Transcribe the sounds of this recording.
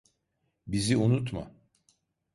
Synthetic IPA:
biziunut̪ma̰

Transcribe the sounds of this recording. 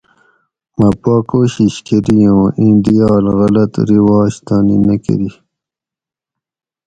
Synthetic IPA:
mapɑːkoːɕiɕkeɾijõːĩnd̪ijɑːlɣɐlɐt̪ɾiwɑːɕt̪ɑːnḭnɐkḛɾi

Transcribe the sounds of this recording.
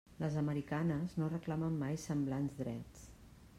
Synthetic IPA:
ləzəməɾikanəznorəklaməmːajsəmblanzd̪ɾɛt͡s

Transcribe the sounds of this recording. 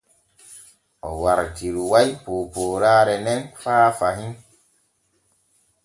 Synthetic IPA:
ɔ̰waɾtiɾuwajpoːpoːɾaːɾɛnɛnfaːfaɦĩn

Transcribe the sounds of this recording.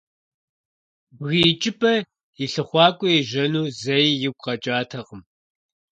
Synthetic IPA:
ɣit͡ʃʼɪpʰʼɐ | iɬɨχʷɑːkʷʼʊiʒɐnuːzɐjjɪɡʷʼqɐt͡ʃʼaːtʰɐqəm

